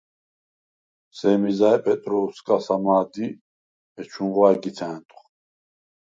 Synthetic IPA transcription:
sɛːmizaɛpʼɛt̪ʼɾɔuskʼasamaːd̪i | ɛt͡ʃʰunʁwaɛɡiɛːnt̪ʼχ

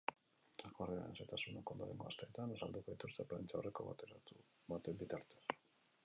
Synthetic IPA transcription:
akorea̰eset̪asunokond̪oɾḛŋɡo̞a̰st̪e̞ːt̪anasald̪uko̞ðit̪ust̪e̞pɾla̰nt͡ʃaore̞ko̞βa̰t̪eɾau | βat̪embit̪aɾt̪e̞̥s

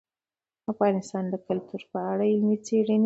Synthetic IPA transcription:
afɣɑnɪst̪ɑnd̪əkalt̪uɾpəaɽaɪlmit͡seɽən

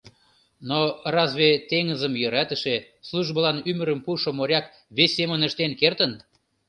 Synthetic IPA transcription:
norɑzβet̪eŋəzəmjə̆ɾæt̪əʃe | sluʒbəlɑnymə̆ɾəmpuʃomoɾʲɑk | βesʲːemənəʃt̪enkert̪ən

